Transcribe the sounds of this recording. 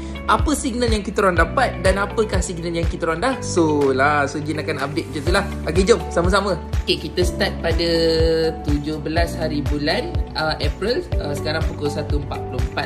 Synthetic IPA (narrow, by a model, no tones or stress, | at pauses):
ʔapəsiɡ̚nəljaŋkit̪əɾaŋdapat̪̚danapəkahsiɡ̚nəljaŋkit̪əɾaŋndahsolasod͡ʒinakanabɪʔ̚d͡ʒat̪ulah | aɡed͡ʒomsaməs̬amə̃okekit̪əsə̥t̪at̪̚padat̪ud͡ʒʊhbəlashaɾibulanəʔɛpɾiləsəkaɾaŋpukolsat̪uəmpat̪̚puloəmpat̪̚